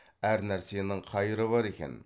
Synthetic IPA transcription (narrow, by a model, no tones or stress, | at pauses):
æɾnæɾsejnɪŋqʰɑjɾɨbɑɾekʲʰɛ̰n